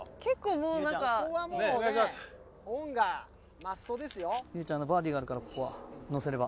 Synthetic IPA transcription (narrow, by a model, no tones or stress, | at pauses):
ke̞kːo̞ːmoːnãkaoβamoːas | hõŋɡa | masɨ̥t̪o̞d̪e̞sɨjo̞jɯːt͡ɕãnːobaːd̪ʲiːɡaːɾɯ̟kaɾako̞ko̞βano̞se̞ɾe̞ba